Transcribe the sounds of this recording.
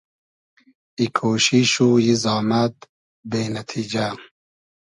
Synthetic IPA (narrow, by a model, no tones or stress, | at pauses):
ikʰoːʃiʃujizɑːmad̪ | beːnɐt̪ʰiːd͡ʑa